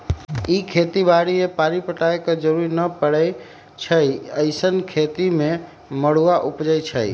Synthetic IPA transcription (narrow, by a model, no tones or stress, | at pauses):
ikʰet̪ibaɽiepaɾipəʈaekɔd͡ʒəɾuɾinəpəɽə | t͡ʃʰəjəɪsənkʰet̪ime | məɽ̤uaʔupd͡ʒəjt͡ʃʰəj